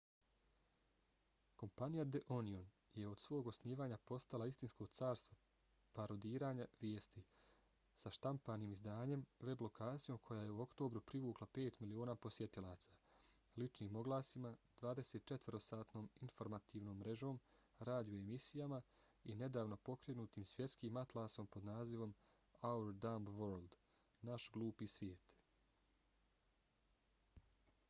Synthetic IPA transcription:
ko̞mpanijad̪eʔonion | jeo̞d̪̥sʋo̞ːɡo̞sniːʋaːɲapo̞st̪alaist̪insko̞t̪saːɾst̪ʋo | paɾo̞d̪iːɾaːɲaʋjeːst̪i | saʃt̪ampaːniːmizd̪aːɲe̞mʋe̞blo̞kʰaːt̪sijo̞ːmkʰo̞jaːje̞uo̞kt̪o̞ːbɾupɾiʋuːklˠape̞ːt̪milio̞ːnaːpo̞sje̞t̪ilaːt̪sḁː | lit͡ʃniːmo̞ɡlˠaːsimad̪ʋaːd̪e̞seːt̪̚t͡ʃe̞t̪vəɾo̞saːt̪no̞ːminfo̞ɾmat̪iːʋno̞ːmːɾe̞ʒo̞ːm | ɾaːd̪ijoemisijama | ine̞d̪aːʋno̞po̞kɾenuːt̪iːmsʋje̞t̪skiːmat̪lˠaːso̞mpo̞d̪naːziʋo̞m | auɾd̪ambʋoːɾld̪ | naʃɡlˠuːpiːsʋjeːt̪

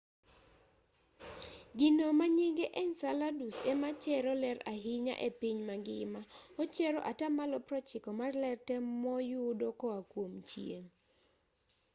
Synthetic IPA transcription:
ɡinomaɲiŋɡeʔɛnsaladusemat͡ʃɛɾɔlɛɾaɦɪɲa̰ʔepiɲmaɡɪmaɔt͡ʃɛɾɔʔatamalɔpɾɔt͡ʃɪkɔmarlɛrtɛmɔjʊdokɔakwomt͡ʃjeŋ

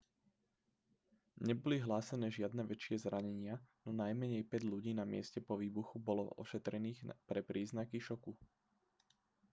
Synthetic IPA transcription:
ɲɛbɔliɦlaːsɛnɛːʒɪad̪nɛʋɛt͡ʃɪɛzɾaɲɛɲɪanɔnajmɛɲɛjpɛɟʎuɟiːnamɪɛscɛpɔʋiːbuxubɔlɔ̰ɔ̰ʃɛt̪ɾɛniːxpɾɛpɾʔiːznakiʃɔku

